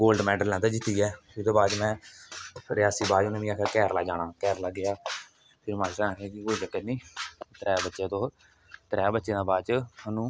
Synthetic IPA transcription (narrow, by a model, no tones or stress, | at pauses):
ɡoːlɖmɛːɖəlːɛ̃ːd̪aːd͡ʒɪt̪ːiːɛːɪd̪oːbaːd̪mɛ̃ː | ɾɪjaːsiːbaːd͡ʒonẽːʋĩakʰːkɛːɾlaːd͡ʒaːnaːkɛːɾlaːɡɪjaː | pʰɪɾmãːsãːkːkɪkoːid͡ʒəkɛnĩːt̪ɾɛːbətːʃeːt̪oː | t̪əɾɛːbətːʃẽːd̪aːbaːt͡ʃəənũː